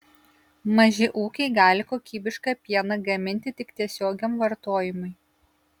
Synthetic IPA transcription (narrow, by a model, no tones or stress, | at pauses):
mɐʒʲɪʔuːkʲɛɪɡɑːlʲɪkoːkʲiːbʲɪʃkɑpʲiɛnɐɡɐmʲɪnʲt̪ʲɪt̪ʲɪkt̪ʲiɛsʲoːɡʲomʋɐɾt̪oːjɪmʊɪ